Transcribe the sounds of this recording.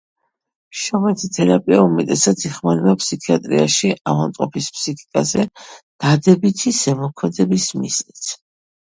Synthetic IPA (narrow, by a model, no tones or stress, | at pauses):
ʃɔmɛt̪ʰit̪ʰɛɾapʼiaumɛt̪ʼɛsat̪sʰiχmanɛbapʰsikʰiat̪ʼɾḭa̰ʃiavamt̪ʼɔpʰispʰsikʰi̥kʼazɛd̪̥ad̪ɛbit̪ʰisɛmɔkʰmɛd̪ɛbismḭznit̪sʰ